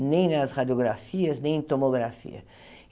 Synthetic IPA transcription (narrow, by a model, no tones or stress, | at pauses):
nẽj̃nɐsʁad͡ʒioɡɾafiɐznẽj̃ẽt̪omoɡɾafḭɐ̰